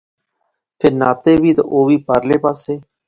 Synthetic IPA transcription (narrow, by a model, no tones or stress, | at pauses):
pʰeːɾna̰ːt̪eːʋiːt̪a̰ʔoːʋiːpaːɾleːpaːseː